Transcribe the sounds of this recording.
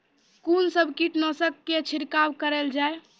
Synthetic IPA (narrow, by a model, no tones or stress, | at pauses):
kunsəbʱkiʈnɔsəkːet͡ʃʰiɾkabkəɾɛld͡ʒae